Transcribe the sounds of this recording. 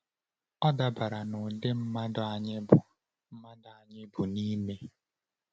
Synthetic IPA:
ɔ˦da˦ba˨ɾa˨nʊ˨de˦m̩˦ma˦da˨ɲɪ˦bʊ˨ | m̩˦ma˦dʊ˨a˨ɲɪ˦bʊ˨ni˦me˦

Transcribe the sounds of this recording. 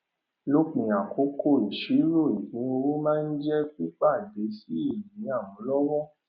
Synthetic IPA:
lo˦k͡pĩ˨a˨ko˨˧˦kʰo˦˨i˨ʃi˨˦ɾo˦˨i˨hĩ˨˦o˧wo˦mãː˦˧n̩˦d͡ʒɛ˦k͡pi˦k͡pa˦˨be˨˦si˦i˦˨jĩ˨˦a˦˨wɔ̃˨˦lɔ˦wɔ˦˨

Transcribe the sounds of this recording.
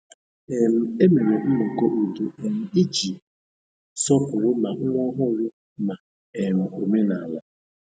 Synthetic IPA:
e˨m̩˦e˦me˨ɾe˨m̩˦mʊ˨ko˦ʔu˨du˦e˨m̩˨i˦d͡ʒi˨ | sɔ˦pʊ˨ɾʊ˦ma˨ŋ̩˦ŋʷɔ˦ɦʊ˦ɾʊ˦ | ma˨ | e˨m̩˨o˨me˦na˨la˦

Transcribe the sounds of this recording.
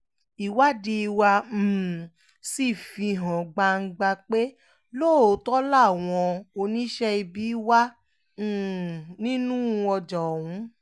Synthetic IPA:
i˨wa˦di˧i˧wa˧m̩˨ | si˦˨fi˧ɦã˨ɡ͡ba˧ŋ̩˧ɡ͡ba˧k͡pe˦ | lo˦˨o˨tɔ˦la˦˨w̃ɔ̃˧o˧nĩ˦ʃɛ˦i˧bi˦wa˦˨ | nĩ˦nũ˦˧˦ɔ˧d͡ʒɔ˨ũ˨˦

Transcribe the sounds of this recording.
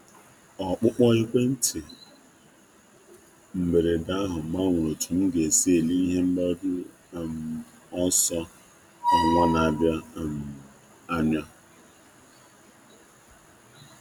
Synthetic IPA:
ɔ˨k͡pʊ˦k͡pɔ˦ɣɪ˦kʷe˦n̩˦tʰɪ˨ | m̩˨be˨ɾe˨da˦ɦʊ˨m̩˨ɡ͡ba˦ŋʷʊ˨ɾo˨tu˨m̩˦ɡe˨se˦˨li˦i˦ɦe˦m̩˦ɡ͡ba˦dʊ˦˨ | m˨ | ɔ˦sɔ˦ | a˨ŋʷɔ˦na˨bja˦˨m̩˨ | a˦ɲa˦

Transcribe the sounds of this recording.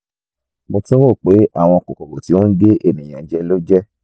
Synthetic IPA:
mo˧tĩ˦o˦˨k͡pe˨˦a̰˦˨w̃ɔ̃˧ko˨kɔ˨ko˨ti˨˦wɔ̃˦n̩˦de˦ʔe˦˨nĩ˨j̃ã˨˦d͡ʒɛ˧˦lo˦d͡ʒɛ˦

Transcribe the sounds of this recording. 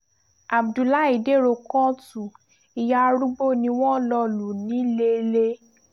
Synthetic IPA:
a˨bdu˨la˦i˨de˦˨ɾo˧kɔ̃˦tu˨ | i˧ja˧ɾu˦ɡ͡bo˦˨nĩ˧w̃ɔ̃˦lɔ˧˦lu˨nĩ˨˦le˧˦le˦

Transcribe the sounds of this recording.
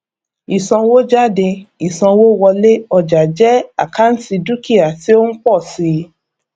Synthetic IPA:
i˨sã˧wo˦d͡ʒa˦˨de˧i˨sã˧wo˦wɔ˧le˦ɔ˦˨d͡ʒa˨d͡ʒɛ˦a˦˨ka˦n̩˦ti˧du˦ki˦˨a˨ti˦o˦n̩˦k͡pɔ˦˨si˧˦

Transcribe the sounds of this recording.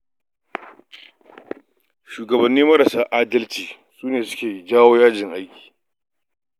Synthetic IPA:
ʃuː˨ɡɐ˨bɐ˨nːiː˦mɐ˦ɾɐ˨saː˦ʔaː˦dɐ˦lt͡ʃiː˨ | suː˦neː˨sʊ̥˦kʲeː˨ji˦d͡ʒaː˦woː˦jaː˦d͡ʒɪ˨ŋʔa˦jkʲi̥ː˨

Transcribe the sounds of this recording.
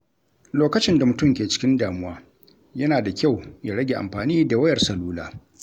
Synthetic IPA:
loː˦kɐ˦t͡ʃɪ˦nda˨mʊ˨tʊ˦mkʲeː˨t͡ʃɪ̥˦kʲɪ˦ndaː˨mʊ˦waː˦ | jɐ˦naː˨da˨kʲa˦˨wja˨ɽɐ˦ɡʲe˨ʔa̰˨mɸaː˨niː˦da˨wɐ˦jɐ˨rsɐ˨luː˦laː˦

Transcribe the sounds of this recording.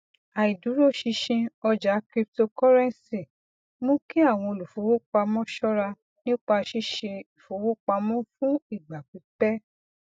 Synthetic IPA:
a˨i˨du˨˦ɾo˦ʃi˧ʃĩ˧ɔ˧d͡ʒa˨˦kɾi˦p̚to˧kɔ˦ɾɛ̃˦n˨si˨ | mõ˦ki˦a˦˨w̃ɔ̃˧o˧lu˨fo˨˦wo˦k͡pa˧mɔ̃˦ʃɔ˦ɾa˧ | nĩ˦k͡pa˧ʃi˦ʃe˧i˨fo˨˦wo˦k͡pa˧mɔ̃˦fũ˦i˦˨ɡ͡ba˨k͡pi˨˦k͡pɛ˦

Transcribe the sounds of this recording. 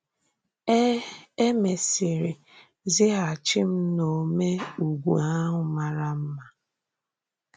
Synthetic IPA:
e˦me˨si˨ɾi˨ | zɪ˦ɦa˨t͡ʃɪ˦m̩˦no˨me˦u˨ɡʷṵ˨a˦ɦʊ˨ma˨ɾa˦m̩˦ma˨

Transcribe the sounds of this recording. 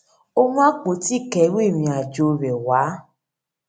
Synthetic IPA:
o˧mũ˦a˦k͡po˨˦ti˦˨kɛ˨˦we˦˨mĩ˧a˨d͡ʒo˧˨ɾɛ˨waː˨˦

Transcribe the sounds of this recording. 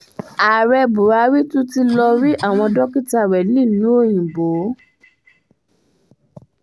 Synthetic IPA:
a˨ɾɛ˧bu˨ɾa˨˦ɾi˦tũ˦ti˧lɔ˧ɾi˦ʔa˦˨w̃ɔ̃˧dɔ˦ki˦ta˧ɾɛ˨nĩ˦˨nĩ˦o˦˨jĩ˨bo˨˦

